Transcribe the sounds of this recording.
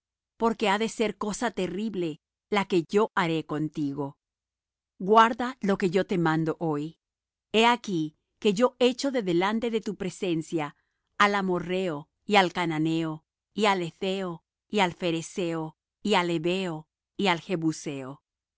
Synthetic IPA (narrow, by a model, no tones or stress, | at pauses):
po̞ɾke̞aðe̞se̞ɾko̞sat̪e̞riβle̞ | lake̞ʝo̞ʔaɾe̞ko̞nt̪iɣo̞ | ɡwaɾðalo̞ke̞ʝo̞t̪e̞mãnd̪o̞ʔoj | e̞aki | ke̞ʝo̞ʔe̞t͡ʃo̞ðe̞ðe̞lant̪e̞ðe̞t̪upɾe̞se̞nsjaː | lamo̞re̞o | ialkananeo | iale̞θeo | ialfe̞ɾese̞o | iale̞βe̞o̞ | ialxe̞βuseo